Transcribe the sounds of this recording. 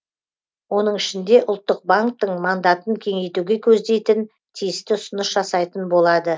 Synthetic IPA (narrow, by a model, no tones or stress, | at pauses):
wo̞n̪əɴɪʃɪnd̪e̞ʔʊlˠt̪ːəq̚baŋk̚t̪əɴmand̪at̪əŋkʲʰe̞ŋe̞jt̪uɡʲe̞kʲʰɵzd̪e̞jt̪ɪn | t̪ʰijɪst̪ɪʊsənəsʒɑsɑjt̪ənbo̞lˠɑd̪ə